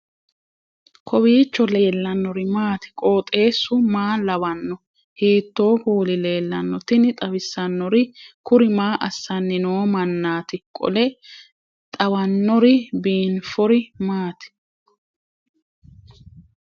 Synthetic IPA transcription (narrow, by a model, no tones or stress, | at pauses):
kʰɔbiːt͡ʃːɔle̞ːlːɐnːɔɾɪmaːt̪ɪ̥kʼo̞ːt̪ʼe̞ːsːʊmaːlɐbɐnːɔ | hiːt̪ːo̞ːkuːlɪle̞ːlːɐnːɔt̪ɪnɪt̪ʼɐbɪsːɐnːɔɾɪkʊɾɪmaːʔɐsːɐnːɪnoːmɐnːaːt̪ɪkʼɔ̰lɛ | t̪ʼɐwɐnːɔɾɪbiːnfɔɾɪmaːt̪ɪ̥